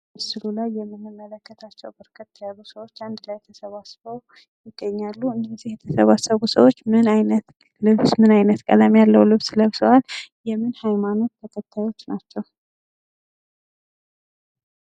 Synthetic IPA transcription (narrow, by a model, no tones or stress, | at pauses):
sɨlulajːɛmːɨmːəmːələkːət̪ʰat͡ʃːɛwbɨɾkʰɨt̪ːjazusəwo̞t͡ʃːand̪lajɛt̪ʰəsəβasβəw | jɪɡːəɲːalːuɨnd̪əzihjɛt̪ʰəsəβasəβusəwo̞t͡ʃːmɨnajnət̪ | lɨβsmɨnajnət̪kʼə̰lamjalːəwlɨβsləβsəwaljɛmɨnhajmano̞t̪t̪ʰːəkʰət̪ʰːajo̞t͡ʃːnat͡ʃːɛw